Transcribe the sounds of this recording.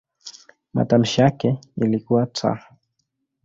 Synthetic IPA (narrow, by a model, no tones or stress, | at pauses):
ma̰tam̩ʃijakɛilikuwat͡sa̰